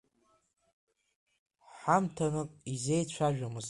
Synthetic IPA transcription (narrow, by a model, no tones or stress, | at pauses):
ħamtʰanɨkʼizejt͡ɕʷʰaʒᶣamɨz